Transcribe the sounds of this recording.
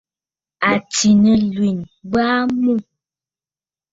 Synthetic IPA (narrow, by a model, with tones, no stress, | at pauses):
a˨ti˨nə˨lwi˨n | ba˦mu˦˨